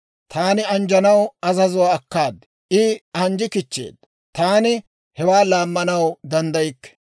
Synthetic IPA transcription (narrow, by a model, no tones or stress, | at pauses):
t̪ʰaːnɪɐnd͡ʒɐnɐwɐzɐzʊwaːkːaːd̪ | ʔɪɐnd͡ʒɪkɪt͡ʃːḛːd̪ | t̪aːnɪ | hɛwaːlaːmːɐnɐwd̪ɐnd̪ɐjɪkːɛ̥